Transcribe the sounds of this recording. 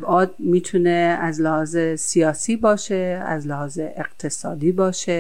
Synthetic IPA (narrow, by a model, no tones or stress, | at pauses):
bɒːd̪̚miːt̪ʰuneæzlehɒːzesijɒːsiːbɒːʃeæ̰zlehɒːzeeqt̪ʰesɒːd̪iːbɒːʃe